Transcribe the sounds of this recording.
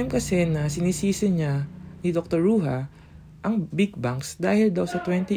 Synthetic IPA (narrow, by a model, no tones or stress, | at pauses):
mkɐsɛnɐsɪniːsiːsɪɲanɪd̪ok̚t̪oɹuːɦɐ | ʔɐŋbɪɡ̚baŋksd̪aːhɪld̪awsɐt̪wɛnt̪i